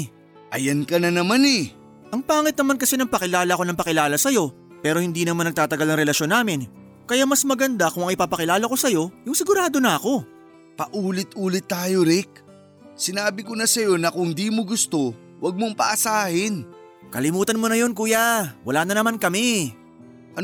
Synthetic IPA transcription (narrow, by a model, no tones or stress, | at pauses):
ʔɐjɐnkɐnɐnɐmanɛ | ʔɐŋpaːŋɪt̪̚nɐmankɐsɛnɐŋpɐkɪlaːlɐko̞nɐmpɐkɪlaːlɐsɐjo̞ | pɛːɾo̞hɪnd̪iːnɐmaɐnɐɡ̚t̪aːt̪ɐɡalnɐŋɾɛlɐʃo̞nːaːmɪn | kɐjamɐsmɐɡɐnd̪akʊŋʔɐŋʔɪpapɐkɪlaːlɐko̞sɐjo̞jʊŋsɪɡʊɾaːd̪o̞nɐɐko̞ | pɐʔuːlɪt̪̚ʔuːlɪt̪ːaːjo̞ɾɪk̚ | sɪnaːbɪkonɐsɐjo̞nɐkʊŋd̪iːmoɡʊst̪o̞ | wɐɡ̚moŋpɐ̰ʔɐsaːhɪn | kɐlɪmuːt̪ɐnmo̞nɐjo̞nkuːjawɐlaːnɐnɐmankɐmɛ | ʔɐ